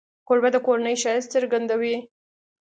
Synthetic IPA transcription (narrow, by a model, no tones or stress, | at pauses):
koɾbad̪əkoɾanəjʃɑjɪst͡səɾɡand̪awi